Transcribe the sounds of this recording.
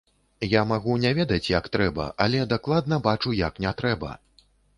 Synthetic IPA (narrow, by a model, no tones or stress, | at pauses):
jamaɣunʲɛvʲɛd̪ɐt͡sʲjakt̪ɾɛbɐ̰ʔalʲɛd̪aklˠad̪nɐbat͡ʂujaknʲɛt̪ɾɛbɐ̰